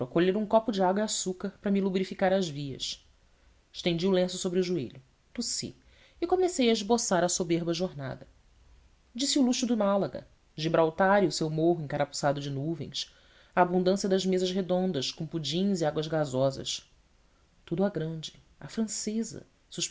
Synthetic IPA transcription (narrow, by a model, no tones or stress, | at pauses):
pɾɐkoʎeɾũkɔpʊd͡ʒɪaɡwɐasukɐhpɾɐmilubɾifikaɾɐʒviɐ̰ʃ | ɪʃt̪ẽd͡ʒiulẽsʊsobɾɪʊʒuḛʎʊ | t̪usḭ | ikomesejɐɪʒbosaɾɐsobeɾbɐʒoɾna̰d̪ɐ | d͡ʒisiuluʃʊd̪ʊmalɐɡɐ̰ | d͡ʒibɾawt̪aɾiʊsewmoɦʊẽŋkaɾapu̥sad̪ʊd͡ʒɪnuvḛ̃j̃s | aːbũnd̪ɐ̃sjɐd̪ɐʒmezɐʃɦed̪õnd̪ɐʃkõpud͡ʒĩɲziaɡwɐzɡazɔzɐ̰ʃ | t̪ud̪ʊɛɡɾɐ̃d͡ʒɪ | ɐfɾɐ̃sezɐ̰ | suʃ